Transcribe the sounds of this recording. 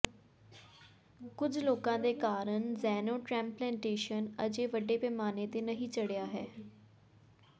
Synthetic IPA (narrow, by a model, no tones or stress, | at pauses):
kʊd͡ʒloːkãːd̪eːkaːɾəɳzɛːnõːʈɾɛ̃ːmplɛ̃ːɳʈeːʃənə̰d͡ʒeːʋəɖeːpɛːmaːneːt̪eːnəɦĩːt͡ʃəɽejaːɦɛː